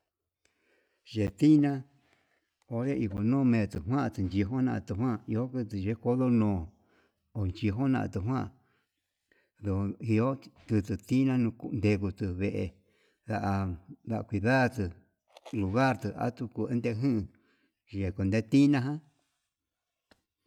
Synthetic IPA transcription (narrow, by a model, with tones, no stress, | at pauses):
ʒe˨t̪i˦nã˦ | o˨ɾe˦ʔi˧ko˨nõː˦˨mẽː˨˧˨t̪ɨ˨ɦwã˦ʔt̪ɨ˧˨nd͡ʒi˧˨ɦo˦nã˧ʔt̪ɨ˨ɦwã˦˧˨i˧o˦kɨ˧t̪ɨ˨ʒe˧˦ko˦ðo˦nõː˨ | o˨nt͡ʃi˧ɦo˦nã̰˧ʔã̰˧t̪ɨ˨ɦwã˦ʔ | ðo˨˧i˧o˦t̪ɨ˧t̪ɨ˧˨t̪i˦nã˦nũ˧ku˧nd̪e˧ku˧t̪ɨ˧βe˧˨ʔe˧˨ | ða˧ʔa˧d̪a˧ʔa˧kʷi˧ða˦t̪ɨ˧ | lu˨ɣa˦˨ɾt̪ɨ˧a̰˦t̪u˧ku˧e˦nd̪e˧ɦɨ̃˦ɨ̃˧ | ʒe˨ko˧nd̪e˦t̪i˦nã˦ɦã˦